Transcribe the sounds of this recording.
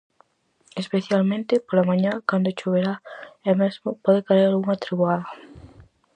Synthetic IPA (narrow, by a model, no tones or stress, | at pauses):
espeθjalmẽnt̪ɪpolamãɲãkand̪oʃoβeɾaɛmɛzmʊpɔðekaeɾalɣuŋat̪ɾiβwaðɐ